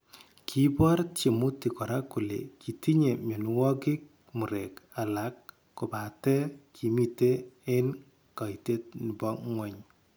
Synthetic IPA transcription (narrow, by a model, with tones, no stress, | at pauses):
kʰi˦bɔ˦ɾt͡ʃe˨mu˦ti˨kɔ˨ɾa˦ku˨lḛ˨kʰi˨ti˦ɲe˨mjo˨nu˦wɔ˦kɪ˦k̚ | mu˨ɾe˨ka˨la˨˦kː | ʊ˨ba˨tɛ˦kʰi˨mi˦te˦e˦n | ka˨i˨te˦t̚ni˨bɔ˦ŋwɛ˨ɲ